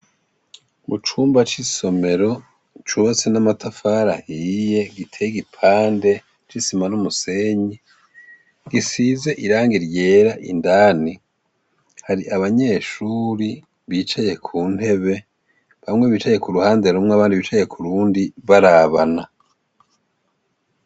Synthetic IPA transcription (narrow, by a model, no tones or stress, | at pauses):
mut͡ʃuːmbat͡ʃiso̞me̞ɾo̞ | t͡ʃuat͡senamatafaɾahiːje̞ɡitʰejiɡipʰaːnde̞ | t͡ʃisimanumuse̞ɲi | ɡisize̞ʔiɾaːŋɡiɾje̞ːɾaʔḭndaːni | haɾiʔaβaɲe̞ːʃuːɾi | βiːt͡ʃaje̞kʰuːn̥he̞βe̞ | βamŋweβiːt͡ʃaje̞kuɾuhaːndeumŋeaβaːndiβiːt͡ʃaje̞kʰuɾuːndiβaɾaβana